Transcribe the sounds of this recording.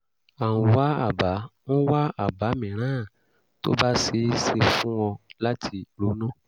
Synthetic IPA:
a˨wũ˧wa˦a̰˦˨ba˨˦ñ̩˦wa˦a˨ba˨˦mĩ˨ɾ̃ãː˨˦˨ | to̰˦ba˦se˧˦se˧fũ˦wɔ̃˧la˦tʰi˧ɾo˨˦nũ˦

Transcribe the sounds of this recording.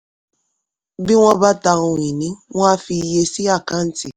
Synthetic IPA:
bi˦w̃ɔ̃˦ba˦ta˧ũ˧ĩ˨nĩ˨˦w̃ɔ̃˦a˦fi˧˨je˧si˦a˦˨kã˦n̩˦ti˦˨

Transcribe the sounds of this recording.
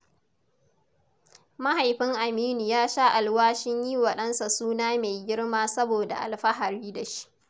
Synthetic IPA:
ma˦ha˨jɸɪ˦ŋʔa˨miː˦ni˨jaː˦ʃa˦ʔa˨lwaː˦ʃɪ˦ɲji˦wɐ˨ɗɐ˦nsa˨suː˦naː˦me˨jɡʲɪ˦ɽmaː˦sɐ˦boː˨da̰˨ʔa̰˨lɸɐ˦ɦa˨ɾiː˦da˨ʃi̥˦ʔ

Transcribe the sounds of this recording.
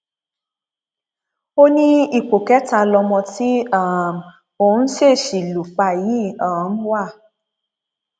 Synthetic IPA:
o˦nĩ˦i˨k͡po˨kɛ˨˦ta˧lɔ˧mɔ̃˧ti˦a˦˨m˨ | o˨u˦ʃe˦˨ʃi˨lu˨k͡pa˧˨ji˨˦ã˨n̩˦wa˦˨

